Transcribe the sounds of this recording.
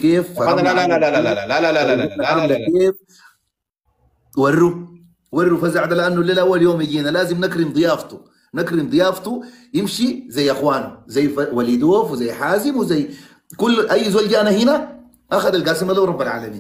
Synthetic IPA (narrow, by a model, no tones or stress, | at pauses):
keːfaaaaaaaalalaalakeːf | wɑrːu | wɑrˤːufazaʕd̪alʔanːuleːlʔawːaljoːmiɟiːnalaːzimnakɾimd̪ˤɨjaːft̪u | nakɾimd̪ˤɨjaːft̪u | jimʃizajːʔaxwaːnṵzajːfawalid̪oːfwizajħaːzimwizajː | kulːʔajːzwalɟaːnahina | ʔaxad̪alɡaːsimalawɾˤɑbːalʕa̰ːlamḭːn